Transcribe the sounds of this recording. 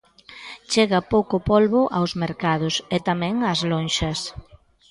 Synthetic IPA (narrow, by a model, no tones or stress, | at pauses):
t͡ʃeɣɐpowkopolβʊʔa̰wzmeɾkað̞ʊsɛt̪amɛ̃ŋɐzlonʃɐs